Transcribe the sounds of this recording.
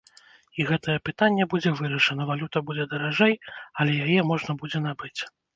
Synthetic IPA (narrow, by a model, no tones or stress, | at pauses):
iɣɛt̪ɐjɛpɨt̪anʲːɛbud͡zʲɛvɨɾɐʂɐnɐvalʲut̪ɐbud͡zʲɛd̪ɐɾaʐɛjɐlʲɛjajɛmɔʐnɐbud͡zʲɛnabɨt͡sʲ